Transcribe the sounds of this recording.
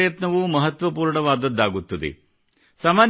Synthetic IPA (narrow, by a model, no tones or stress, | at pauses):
jɐt̪nɐʋumɐɦɐt̪ʋɐpuːɾɳɐʋaːd̪ɐd̪ːaːɡut̪ːɐd̪ḛ | saːmaːn